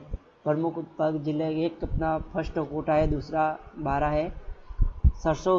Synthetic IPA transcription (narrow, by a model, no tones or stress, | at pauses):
pɾɐmʊkʰpəɡd͡ʒɪleeːkɐpnapʰɐsʈkoːʈaɦɛd̪uːsɾabaːɾaɦɛː | səɾso